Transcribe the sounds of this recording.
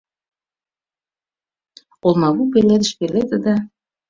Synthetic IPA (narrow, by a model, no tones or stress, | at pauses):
olˠmɑβupelːed̪ə̆ʃpelːet̪ə̆d̪ɑ